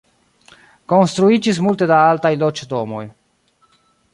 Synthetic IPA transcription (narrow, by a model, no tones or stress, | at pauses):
konst̪ɾuid͡ʒis̬mult̪e̞d̪aalt̪ajlot͡ʃd̪omo̞̰j